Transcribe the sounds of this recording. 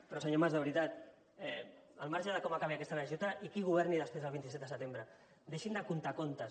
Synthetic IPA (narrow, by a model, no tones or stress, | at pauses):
pɾɔseɲomazðəβɾit̪at̪ | əlmaɾʒaðəkomakaβ̞iakɛst̪anaʒut̪aʔikiɣ̞uβ̞ɛɾniðəspɾezəlβint̪isɛt̪d̪əsət̪embɾə | d̪eʃind̪əkunt̪akont̪əs